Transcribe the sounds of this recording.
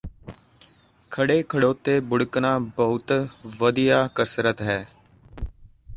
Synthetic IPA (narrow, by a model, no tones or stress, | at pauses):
kʰəɽeːkʰəɽoːt̪eːbʊɽəknãːbəɦʊt̪ʋəd̪ijaːkəsɾət̪ɦɛː